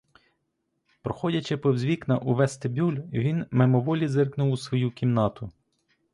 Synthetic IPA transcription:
pɾɔxɔdʲɐt͡ʃɪpɔwzʲʋʲiknɐʔuʋɛst̪ebʲulʲʋʲinmemɔʋɔlʲizɪrknʊwusʋɔjukʲimnɑt̪ʊ

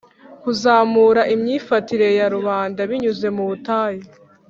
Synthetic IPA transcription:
kuzaːmuːɾaʔimɲiːfatiɾe̞jaɾuβaːndaβiɲuze̞muβutaːje

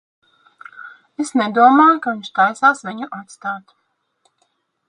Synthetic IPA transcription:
esned̪uɔmaːjukaviɲʲʃt̪ajsaːsviɲuʔat̪st̪aːt̪

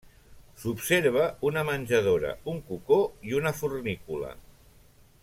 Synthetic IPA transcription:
supseɾβ̞əunəmənʲʒəð̞oɾə̰uŋkukoiunəfurnikulə̰

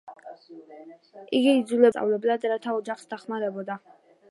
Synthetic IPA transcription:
iɡiːd̪zulɛsʼa̰vlɛblad̪ɾat̪ʰaɔd͡ʒaχsd̪aχmaɾɛbɔd̪a

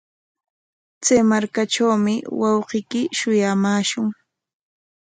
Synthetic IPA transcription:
t͡sajmaɾkaʈ͡ʂawmɪwɑwqɪkɪʃʊjamaːʃʊŋ

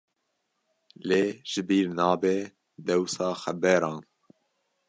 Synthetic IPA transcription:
leːʒ̥ɨbiːɾnɑːbe | d̪ɛwsɑːxɛbɛɾɑːn

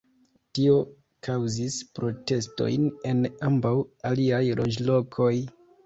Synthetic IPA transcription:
tio̞ | kʰawzispɾo̞te̞sto̞̰jne̞nambawaliajɾʔo̞d͡ʒlo̞kʰo̞j

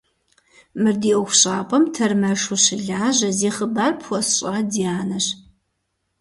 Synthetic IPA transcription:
mɨrdiːʔɔxʷɕʼaːpʰʼɐmtʰɐrmɐʂuɕɪɮaːʑɐziːχəbaːrpʰxʷɔsɕʼadiaːnɐɕ

